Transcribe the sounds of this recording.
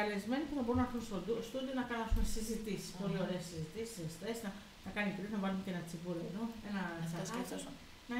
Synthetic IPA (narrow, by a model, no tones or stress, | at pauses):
ɐlezme̞nip̪eθɐbo̞ɾunɐxunst̪od̪st̪ud̪ionɐkɐnɐsumesizit̪isi̥spo̞lio̞ɾe̞ːsizit̪isi̥sest̪esnɐ | nɐkɐnipɾiznɐvɐlumecenɐt͡sivuɾoɾoenɐsɐes | nɐ